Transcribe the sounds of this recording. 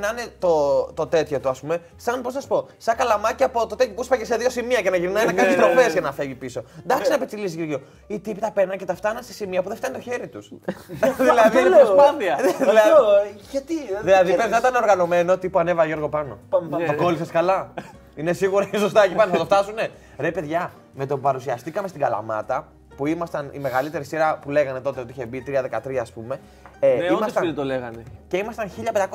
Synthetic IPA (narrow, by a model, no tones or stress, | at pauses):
nɐnet̪ot̪o̞t̪e̞t̪ço̞t̪oɐspume̞ | sɐnponɐsu̥po̞sɐkɐlɐmɐciɐpot̪ot̪et̪çopuspɐʝeseðio̞simiɐcenɐʝiɾinɐinɐkɐist̪ɾofe̞szʝɐnɐfe̞vʝipiso̞nd̪ɐksinɐpet͡silisi̥iɾʝo | it̪ipit̪ɐpe̞nɐncet̪ɐft̪ɐnɐnst̪i̥simiɐpuðeft̪ɐnet̪o̞çe̞ɾit̪us | ðilɐðisɐθiɐðilɐʝɐt̪iðilɐðipeznɐit̪ɐneo̞ɾɣɐno̞me̞no̞t̪ipuɐne̞vɐɐʝo̞ɾɣo̞pɐno̞̰oko̞liseskɐlɐ | ine̞siɣuɾɐkeso̞s̬t̪ɐecipɐnoθoɐt̪oft̪ɐsune̞ | ɾepe̞ðʝɐ | me̞t̪opupɐɾusiɐst̪ikɐmest̪iɡɐlɐ̰mɐ̰t̪ɐ | puimɐst̪ɐnḭme̞ɣɐlit̪e̞ɾisiɾɐpule̞ɣɐne̞t̪o̞t̪eo̞t̪iiçebit̪ɾiɐðe̞kɐt̪ɾiɐːspume̞ | imɐsst̪ɐt̪oleɣɐnece̞imɐst̪ɐnçiʎɐpend̪ɐko